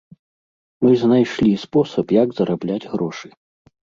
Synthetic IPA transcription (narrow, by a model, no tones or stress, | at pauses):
mɨznajʂlʲispɔsɐpjɐɡzɐɾʔablʲad͡zʲɣɾɔʂɨ